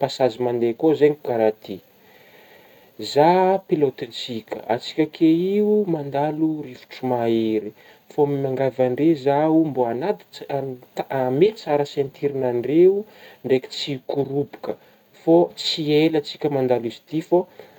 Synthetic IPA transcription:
pasazimand̪ekozeɲukaɾat̪i | zapilot̪int͡sikʲə̰ʔa̰t͡si̥kʲəkʰeiumand̪aluɾifu̥ʈ͡ʂumaeɾi | fomimaŋɡavaɳɖ͡ʐezaumboanat̪ | amet͡saɾəsent̪ʰiɾinaɳɖ͡ʐeuɳɖ͡ʐeki̥t͡sikuɾupu̥kə | fot͡sielat͡si̥kʲəmand̪alizi̥t̪ifo

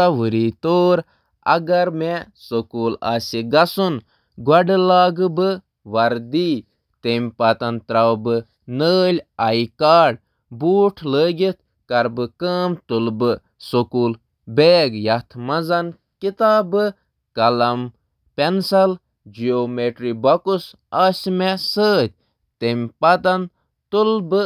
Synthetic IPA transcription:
ɐʋɨɾiːt̪oːɾ | ɐ̰ɡɐɾme | sokuːla̰ːsiɡɐsun | ɡwɐɖɨlaːɡɨbɨ | ʋɐɾd̪iː | t̪emʲpɐt̪ɐnt̪ɾɐwbɨ | nəːlʲɐjkaːɖ | buːʈʰləːɡʲit̪̚ʰ | kɐɾbɨkəːmt̪ulbɨ | sokuːl | beːɡjɐt̪ʰmɐzɐn | kit̪aːbɨ | kɐlɐm | pensɐl | d͡ʒioːmeʈɾibɐkus | aːsmesəːt̪̚ʲ | t̪emʲpɐt̪ɐn | t̪ulbɨ

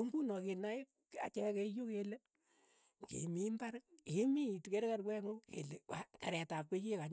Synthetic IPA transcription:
oŋɡunɔkena | a̰t͡ʃɛkejokele | ŋɡḭmimbaɾk̚emitkeɾkaɾkwɛŋokḛleakaɾɛtap̚kekekaɲ

